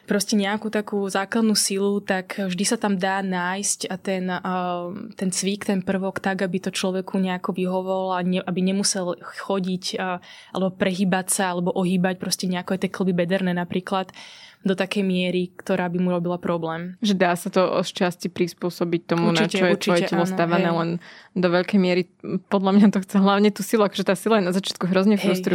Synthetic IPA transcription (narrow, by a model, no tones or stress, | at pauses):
pɾɔscɛɲɛakut̪akuːzaːklad̪nuːsilut̪akvʒd̪isat̪amd̪aːnaːjscat̪ɛn | t̪ɛnt͡sʋikt̪ɛnpr̩ʋɔkt̪aɡabit̪ɔt͡ʃlɔʋɛkuɲɛakɔʋiɦɔʋɔlaɲɛʔabiɲɛmusɛlxɔɟicːʔa̰lɛbɔpɾɛɦiːbacsaalɛbɔʔɔɦiːbac̚pɾɔscɛɲɛakɔajt̪ɛkl̩bibɛd̪ɛɾnɛːnapɾiːklat̪d̪ɔt̪akɛjmɪɛɾikt̪ɔɾaːbimuɾɔbilapɾɔblɛːmʒɛd̪aːsat̪ɔɔ̰st͡ʃascipɾispʊɔsɔbic̚t̪ɔmunt͡ʃicɔjɛɾt̪iɔjɛɛcɛlɔst̪aʋanɛːlɛnd̪ɔʋɛʎkɛjmɪɛɾi | pɔd̪ʎamɲat̪ɔxt͡sɛɦlaʊɲɛt̪uːsiluakɔʒɛt̪aːsilajɛnazat͡ʃɪat̪̚kuɦɾɔzɲɛfɦpɾɔsj̪ɔɾ